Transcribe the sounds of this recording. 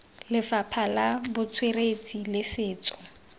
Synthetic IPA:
lɪfapʰalabʊt͡sʰweret͡sʼilɪsɪːt͡sɔ̥

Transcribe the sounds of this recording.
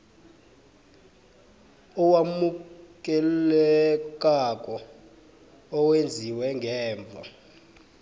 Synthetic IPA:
ɔwamuk̬ʼɛlɛk̬ʼak̬ʼɔ | wend͡zʱiwɛŋɡʱɛːɱb̪vʱa̰

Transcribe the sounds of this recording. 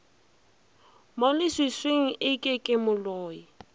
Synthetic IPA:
molɪswɪsweŋ̩ʔɪkʼɪkʼɪmʊlɔːji

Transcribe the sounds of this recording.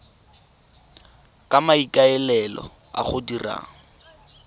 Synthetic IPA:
kʼamaikʼaɛlɛlɔ̰ | a̰χʊdira̰ːŋ̩

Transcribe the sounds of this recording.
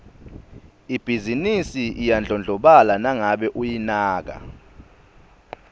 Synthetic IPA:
ib̥ʱizinisiʔijand͡ɮʱɔnd͡ɮʱɔɓalanaŋaɓɛʔujinaːk̬a̰

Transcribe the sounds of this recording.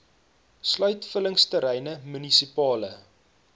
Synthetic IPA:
slœɥtfələŋstəɾɛjnəmynisipɑːlə

